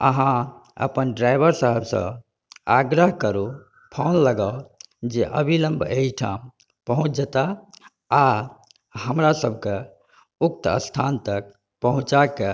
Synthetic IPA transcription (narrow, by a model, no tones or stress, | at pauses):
ə̰ɦãə̰pənɖɾajbəɾsəɦəbsə̰̃ | aɡɾəɦkəɾu | pʰonləɡaod͡ʒeʔəbʱiləmbʱeiʈʰa̰m | pəɦũt͡ʃd͡ʒət̪a | a | ɦəmɾasəbʱke | uk̚t̪ə̰st̪ʰant̪ək̚ | pəɦũt͡ʃake